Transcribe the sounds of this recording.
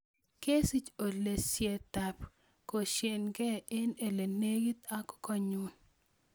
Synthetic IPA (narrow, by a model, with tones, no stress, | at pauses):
ke˦si˦t͡ʃo˨le˨sje˨t̪a˨p | ko˨ʃe˨nɡɛ˦ɪ˦ne˨le˨ne˦ɡi˦t̪a˦kɔ̥kɔ˦˨ɲu˦n